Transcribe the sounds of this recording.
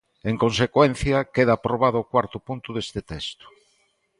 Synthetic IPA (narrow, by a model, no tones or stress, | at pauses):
eŋkõnsekwen̟θjɐkeðaːpɾoβaðʊokwaɾt̪ʊpunt̪ʊðest̪ɪt̪ɛst̪ʊ̥